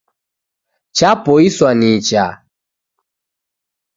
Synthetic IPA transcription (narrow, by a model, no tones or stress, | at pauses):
t͡ʃapɔiswanit͡ʃa̰